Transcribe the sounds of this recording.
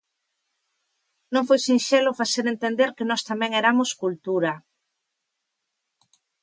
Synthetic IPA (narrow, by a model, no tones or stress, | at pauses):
nõŋfojsinʃelofaseɾent̪end̪eɾkenɔst̪amɛ̃ŋeɾamoskult̪uɾa